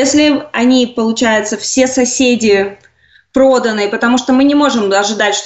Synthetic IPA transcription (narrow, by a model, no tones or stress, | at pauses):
esʲlʲɪɐnʲipəlˠʊt͡ɕæjʊt̪səfsʲe̞sɐsʲedʲɪ | pɾo̞d̪ənːɨjpət̪ɐmuʂt̪omɨnʲɪmo̞ʐɨmɐʐɨd̪atʲʂt̪